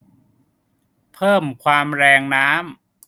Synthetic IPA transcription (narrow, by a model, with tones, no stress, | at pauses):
pʰɤː˥˩mkʰwaː˧mɾɛː˧ŋnaː˦˥m